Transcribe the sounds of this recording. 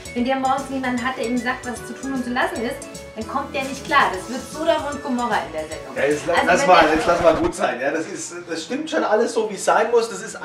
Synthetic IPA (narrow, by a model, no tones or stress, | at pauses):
vɛndeːɐmɔŋsnjeːmandn̩ɦat̚d̥eːɐeːbm̩zaːk̚tv̥ast͡sutʰuːnʊnt̚t͡sulasn̩ɪst | ankʰɔmt̚d̥eːɐnɪçtkʰl̥aːɐd̥asv̥ɪɐtz̥oːɾeːɐmʊnt̚ɡ̥omɔʁɐʔɪ̰ndeːɐzɛ̰ndʊ̰ŋjaːjɛt͡salzlasmajɛslasmaːlɡuːtz̥aɪnjaːdasɪst | d̥asʃtɪmtʃoːnʔaləsz̥oːviːsz̥aɪnmʊsd̥asɪst